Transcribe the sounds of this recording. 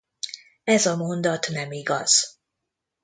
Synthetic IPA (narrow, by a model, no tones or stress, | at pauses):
ɛzɒmo̞nd̪ɒt̪nɛmiɡɒz̥